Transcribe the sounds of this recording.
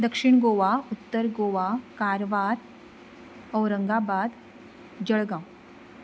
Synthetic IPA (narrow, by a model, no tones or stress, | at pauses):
d̪əkʂiɳɡoʋaut̪ːəɾɡoʋakaɾʋad̪ | əwɾəŋɡabad̪ | d͡ʑəɭɡã